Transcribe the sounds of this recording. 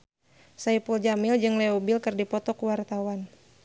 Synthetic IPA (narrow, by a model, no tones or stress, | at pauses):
saipuld͡ʒamɪld͡ʒɨŋlɛɔbilkɨrdipɔt̪ɔkuwart̪awan